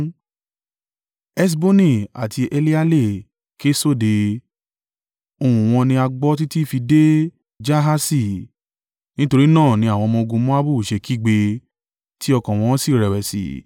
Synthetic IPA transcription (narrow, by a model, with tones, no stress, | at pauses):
ɛ˦s̬bo˦nĩ˦˨a̰˨tʰi˧ʔe˧li˦a˦le˦˨ | ke˦so˦˨de˧ | o˨ũ˨w̃ɔ̃˧nĩ˧a˧ɡ͡bɔ˦t̬i˦ti˦˨fi˧de˦ | d͡ʒa˦ɦa˦si˦˨ | nĩ˦to˧ɾi˦nãː˦˨nĩ˧˦a˦˨w̃ɔ̃˧mɔ̃˧ɡũ˧mɔ̃˦a˦bu˦˨ʃe˧ki˦˨ɡ͡be˧ | ti˦ɔ˧kɔ̃˨w̃ɔ̃˧˦si˦˨ɾɛ˨wɛ˨sḭ˨